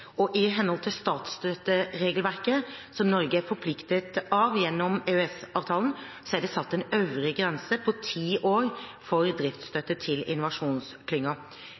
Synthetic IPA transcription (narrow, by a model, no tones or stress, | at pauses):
ɔʔɪɦɛnhɔlt̪ʰɪlst̪ɑːt̪st̪œt̪ːəɾeːɡəlʋæɾkəsɔmnɔɾɡəæɾfɔɾpʰlɪkt̪ət̪ɑʋjɛnːɔmeøɛsɑːʋt̪ʰɑːlən̩ | sɔæɖɛsɑt̪ːɛnøʋɾɪɡɾɛnsəpʰɔt̪ʰiːʔoːɾfɔɾd̪ɾɪft̪st̪œt̪ːət̪ʰɪlɪ̰nːʊʋɑʂuːnskʰlʏŋːɑ